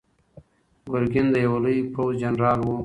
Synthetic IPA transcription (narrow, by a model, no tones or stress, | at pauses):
ɡʊɾɡɪnd̪əjawalujpowzd͡ʒanɾɑːlwu